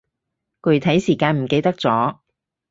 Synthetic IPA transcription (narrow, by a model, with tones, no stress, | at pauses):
kɵ˨˧˩jt̪ʰɐ˨˥jsiː˨˩kaː˧nm̩˨˩ke˧jt̪ɐ˥k̚t͡sɔː˨˥